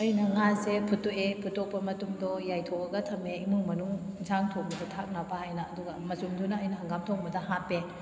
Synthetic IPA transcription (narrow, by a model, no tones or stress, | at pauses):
ɐjnɐŋazepʰutuepʰutːɔk̚pɐmɐtumdɔjajtʰɔɐɡɐtʰɐmeimuŋmɐnuŋzaŋtʰok̚bɐdɐtʰak̚napahajnɐːduɡɐmɐzumdunɐɐjnɐɦaŋɡamtʰɔŋbɐdɐɦape